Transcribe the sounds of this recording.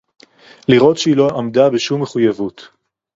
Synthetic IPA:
liʁo̞tʃeilo̞ʔamdabeʃumːeχujavut

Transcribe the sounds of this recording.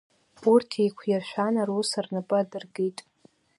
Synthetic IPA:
urtʰejkʷʰjaʃʷᶣanarusarnɨpʼɨadɨrɡitʼ

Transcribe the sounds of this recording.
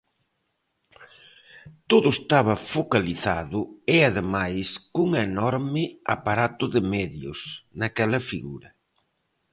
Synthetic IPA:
t̪oðʊest̪aβ̞ɐfokaliθaðʊɪaðemajskuŋenɔɾmɪa̰paɾat̪ʊðɪmɛðjʊ̰snɐkɛlɐfiɣṵɾɐ

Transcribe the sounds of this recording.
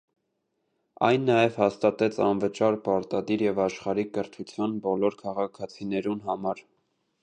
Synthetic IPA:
ɑ̰jnːɑjɛv̥hɑst̪ɑt̪ɛt͡sʰɑnvət͡ʃɑɾpɑɾt̪ɑd̪iɾjɛvɑʃχɑɾikəɾt̪ʰut͡sʰjɑnbɔlɔɾkʰɑʁɑkʰɑt͡sʰinɛɾunɦɑmɑɾ

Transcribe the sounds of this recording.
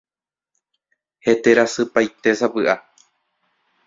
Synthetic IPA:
he̞t̪e̞ɾasɨpajt̪e̞sapɨʔa

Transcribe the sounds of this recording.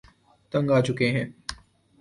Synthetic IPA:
t̪ə̃ŋɡaːt͡ʃʊkeɦɛ̃ː

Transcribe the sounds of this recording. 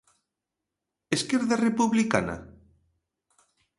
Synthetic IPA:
eskeɾðarepuβlika̰na̰

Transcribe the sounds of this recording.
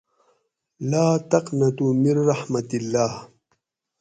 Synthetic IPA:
laːt̪ɐqnɐt̪umiɾːɑħmɐt̪ilːaːh

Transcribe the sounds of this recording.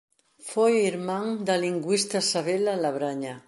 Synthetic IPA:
fojiɾmaŋd̪aliŋɡwist̪asaβelalaβɾaɲa

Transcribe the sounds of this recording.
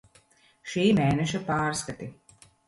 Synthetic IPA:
ʃiːmeːnɛʃapaːɾskat̪i

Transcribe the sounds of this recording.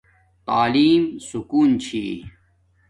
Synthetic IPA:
t̪aːliːmsukuːnt͡ɕʰiː

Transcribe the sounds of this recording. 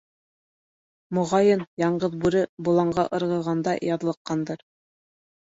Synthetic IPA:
mŏʁɑjɤnjɑɴɢɤðbʉɾɘbŭlˠɑɴɢɑʔɤ̆ɾʁɤ̆ʁɑnd̪ɑjɑðlˠɤ̆qːɑnd̪ɤɾ

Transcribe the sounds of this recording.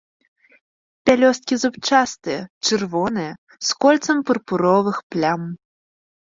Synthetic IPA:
pʲalʲɔst̪̚kʲizupt͡ʂast̪ɨjɛt͡ʂɨrvɔnɨjɐ | skɔlʲt̪sɐmpɐrpuɾɔvɨxplʲam

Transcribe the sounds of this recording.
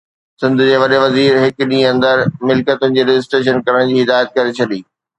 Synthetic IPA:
sɪ̃nd̪ʱʊ̆d͡ʑeːʋɐɗeʋɐziːɾɦɪkɗĩːɐ̃nd̪əɾmɪlkət̪ʊnɪ̆d͡ʑeːɾɪd͡ʑɪs̬ʈɾeːʃ̬ənkɐɾəɽ̃d͡ʑiːɦɪd̪aːjət̪̚kɐɾet͡ɕʰɐɗiː

